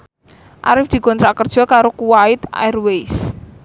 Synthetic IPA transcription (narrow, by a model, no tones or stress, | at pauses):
ʔa̰ɾɪfd̪̥i̤kɔnt̪ɾakərd̥ʒ̥ɔ̤kaɾokuwaɪt̪a̰rwes